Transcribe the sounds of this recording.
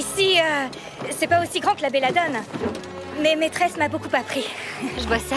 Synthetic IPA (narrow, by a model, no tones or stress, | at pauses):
isiø | sɛpaosiɡʁɑ̃kəlabelad̪ɔn | mɛmet̪χɛsmabokupapχiʒəvwasɛ